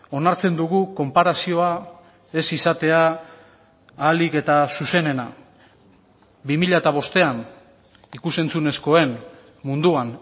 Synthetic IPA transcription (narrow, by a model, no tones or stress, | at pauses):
o̞naɾt͡se̞nd̪uɣuko̞mpaɾasio̞a | e̞sisat̪e̞a | like̞t̪asuse̞ne̞na | bimiʎaet̪aβ̞o̞st̪e̞an | ikuse̞nt͡sune̞sko̞e̞n | mund̪uan